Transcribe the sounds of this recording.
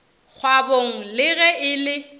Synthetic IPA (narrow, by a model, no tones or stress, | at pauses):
k͡xʰwaboŋ̩lɪɣɛʔɪlɪ